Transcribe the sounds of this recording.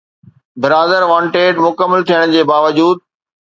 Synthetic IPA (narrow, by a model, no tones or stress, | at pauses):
bɪɾaːd̪əɾʋãːɳʈeːɖmʊkəmːəlt̪ʰijəɽ̃d͡ʑeːbaːʋəd͡ʑuːd̪̚